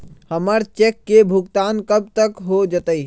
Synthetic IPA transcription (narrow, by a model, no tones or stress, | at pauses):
həməɾt͡ʃekːebʱuɡ̚t̪aːnkəb̚t̪əkɦod͡ʒət̪əi